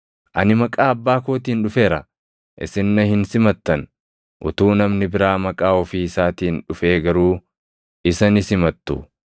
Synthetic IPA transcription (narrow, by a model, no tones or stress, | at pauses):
ʔɐnɪmɐkʼaːɐbːaːkoːt̪iːnᶑʊfe̞ːɾɐ | ʔɪ̰sɪnːɐhɪnsɪmɐt̪ːɐn | ʔʊ̰t̪uːnɐmnɪbɪɾaːmɐkʼaːɔfiːɪsaːt̪iːnᶑʊfeːɡɐɾuː | ɪsɐnɪsɪmɐt̪ːʊ